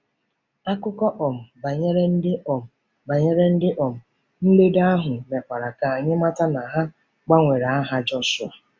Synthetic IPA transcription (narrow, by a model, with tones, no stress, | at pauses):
a˦kʊ˦kɔ˦ʔɔ˨m̩˨ba˨ɲe˦ɾe˦n̩˦dɪ˦ɔ˨m̩˨ | ba˨ɲe˦ɾe˦n̩˦dɪ˦ʔɔ˨m̩˨ | n̩˦lo˦da˦ɦʊ˨me˨kʷa˨ɾa˨ka˨a˨ɲɪ˦ma˦ta˦na˨ɦa˦ | k͡pa˦ŋʷe˨ɾa˨a˦ɦa˦d͡ʒɔ˦sʊ˨a˨